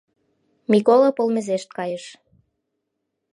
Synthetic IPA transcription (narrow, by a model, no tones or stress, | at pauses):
mikolopolmezeʃt̪̚kɑjəʃ